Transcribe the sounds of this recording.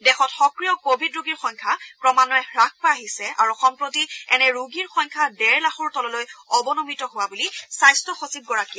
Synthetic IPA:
dɛxɔtxɔkɹijɔkobʱidɹuɡiɹxɔŋkʰapɹɔmanɔɛɹak̚ʰpaaɦisɛʔa̰ɹuɔxɔmpɹotiɛnɛɹuɡiɹxɔŋkʰadɛɹlaxɔɹtɔlɔlojɔbɔnomitɔɦʊwabulisajstɔxosib̚ɡɔɹaki

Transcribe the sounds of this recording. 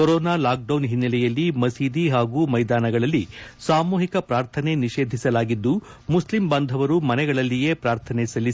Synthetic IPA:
kɔɾɔːnaːlaːk̚ɖɐwnɦinːɐlɛjɐlːimɐsiːd̪iɦaːɡuːmɐjd̪aːnɐɡɐɭɐlːisaːmuːɦikɐpɾaːɾt̪ʰɐne̞niʃe̞ːd̪ʱisɐlaːɡid̪ːumuslimbɐnd̪ʱɐʋɐɾumɐnɛɡɐɭɐlːije̞ːpɾaːɾt̪ʰɐnɛsɐli

